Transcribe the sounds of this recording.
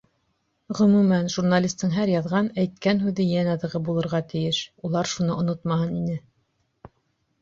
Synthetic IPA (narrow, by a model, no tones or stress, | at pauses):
ʁɵ̆mʉmænʒurnalʲist̪ːɤɴɦæɾjɑðʁɑnæjt̪̚kænɦʉðɘjænɑðɤ̆ʁɤbulˠɤ̆ɾʁɑt̪ɘ̆jɘʃulˠɑɾʃunɤʔŏnot̪mɑhɤninɘ